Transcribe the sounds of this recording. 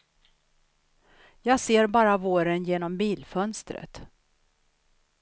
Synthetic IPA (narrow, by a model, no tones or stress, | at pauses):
jɑːɡseːɾbɑːɾavoːɾənjeːnɔmbiːlfœnst̪ɾə̰t̪